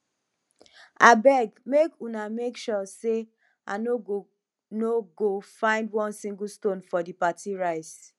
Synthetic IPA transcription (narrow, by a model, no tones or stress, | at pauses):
abɛɡmekunamekʃɔse | a̰noo | noɡofãɪ̃ndwɔ̃nsĩŋɡustõnfɔdipatʰiɹaɪs